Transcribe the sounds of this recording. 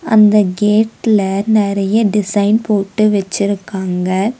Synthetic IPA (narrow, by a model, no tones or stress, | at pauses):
ʔɐ̰nd̪ɐɡeːʈɪlɐnɪɾɐjɐɖɪsɐɪnpoːʈːɯʋɛt͡ʃːɪɾɯkːaːŋɡɐ